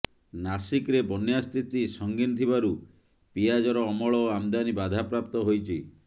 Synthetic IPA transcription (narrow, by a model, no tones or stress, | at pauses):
nasikɾebɔnjast̪ʰit̪isɔŋɡinɔt̪ʰibaɾu | piad͡ʒɔɾɔːmɔɭɔoamd̪anibad̪ʱapɾap̚t̪ɔɦojt͡ʃʰi